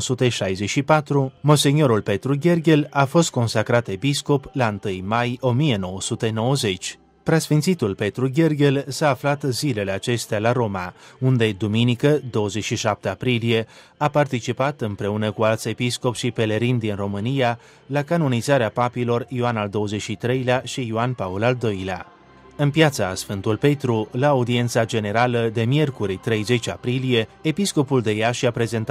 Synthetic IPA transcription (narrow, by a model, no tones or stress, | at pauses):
sut̪e̞ʃajze̞t͡ʃʃipat̪ɾumo̞se̞nio̞ɾulpe̞t̪ɾuɡʲe̞rɡʲe̞lafo̞st̪̚ko̞nsakɾat̪e̞pisko̞plaɨnt̪ɨjmajo̞mije̞no̞wəsut̪e̞no̞wəze̞t͡ʃʲ | pɾasfint̪sit̪ulpe̞t̪ɾuɡʲe̞rɡʲe̞lsaːflat̪zile̞le̞at͡ʃe̞st̪ealaɾo̞maund̪e̞d̪uminikəd̪o̞wəzet͡ʃʃiʃap̚t̪eapɾilije̞ | apart̪it͡ʃipat̪ɨmpɾe̞unəkualt̪se̞pisko̞pʃipe̞le̞ɾind̪inro̞mɨnija | lakanonizaɾeapapilo̞rioanald̪o̞wəze̞t͡ʃʃit̪ɾe̞jleaʃiːoanpaolald̪o̞jlea̰ | ɨnpjat̪sasfɨnt̪ulpe̞t̪ɾulaːud̪ie̞nt̪sad͡ʒe̞ne̞ɾaləd̪e̞mje̞rkuɾit̪ɾe̞jze̞t͡ʃapɾilije̞episko̞puld̪e̞jaʃiapɾe̞ze̞nt̪